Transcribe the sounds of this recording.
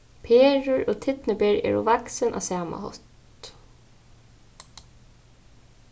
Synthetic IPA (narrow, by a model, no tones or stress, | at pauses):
pʰeːɹʊɹɔːt̪ʰɪt̪nɪbeːɹɛ̰ːɹɔ̰ʋaksɪnʔa̰ːsaːma̰hɔ̰t̪